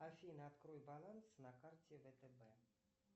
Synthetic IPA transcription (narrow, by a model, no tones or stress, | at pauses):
afʲinat̪kɾujbalˠansnakartʲevɛt̪ɛbɛ